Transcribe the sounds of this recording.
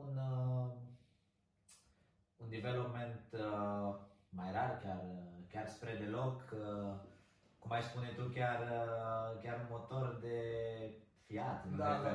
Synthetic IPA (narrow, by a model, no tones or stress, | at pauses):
unə | und̪ivelopment̪ | majɾarkʲjarkʲarspɾed̪e̞lo̞k | kumajspunet̪ukʲjar | kʲaɾunmo̞t̪o̞rd̪e̞ | fiat̪ɨn